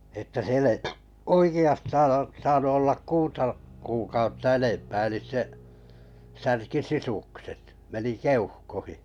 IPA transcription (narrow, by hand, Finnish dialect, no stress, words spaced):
etːæ siel ei oikiɑstɑːn o sɑːnu olːɑk kuːtɑ kuːkɑutːɑ enempæː elis se særki sisukset meni keuhkohi